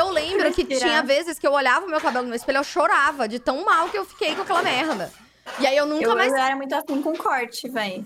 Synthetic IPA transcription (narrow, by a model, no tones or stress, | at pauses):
ewlẽmbɾʊkɪt͡ʃĩɲɐvezɪskɪewoʎavɐʊmewkabɛlʊnʊmewɪspeʎʊewʃoɾavɐd͡ʒɪt̪ɐ̃w̃mawkɪewfi̥kejkõakɛlɐmɛɾd̪ɐ | iaiewnũkkɐmajzɛɾɐmũj̃t̪ʊasĩkõkʰɔɾt͡ʃɪvɛj